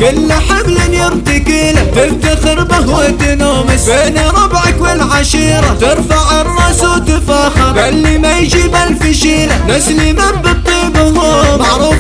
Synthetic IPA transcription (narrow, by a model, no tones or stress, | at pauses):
kʊlːaħablɪnjɪɾt̪ɪkiːlat̪ɪbt̪axɪɾbahwat̪ɪnoːmɪsbeːnaɾˤɑbʕakwɪlʕaʃiːɾɑt̪ɪɾˤfaʕɑrˤːɑːsat̪ɪfaːxɑɾˤbalːimajd͡ʒiːbalfɪʃiːlanaslimambɪt̪ˤiːbʊhʊmaʕɾuːf